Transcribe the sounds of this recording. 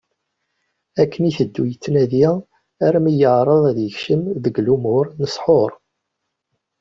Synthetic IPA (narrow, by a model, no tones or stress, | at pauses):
ækʰːəniθəd̪ːujət͡sːnæði | æɾmijəʕɾˤəðˤæðjəçʃəmðəɡlumʊɾnəsˤħoɾˤ